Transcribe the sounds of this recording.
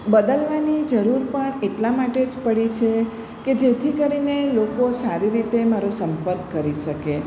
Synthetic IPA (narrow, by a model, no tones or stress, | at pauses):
bəd̪əlʋanid͡ʒəɾuɾpəɳeʈlamaʈed͡ʒpəɽit͡ʃʰe | ked͡ʒet̪ʰikəɾinelokosaɾiɾit̪emaɾosəmpəɾkːəɾiʃəke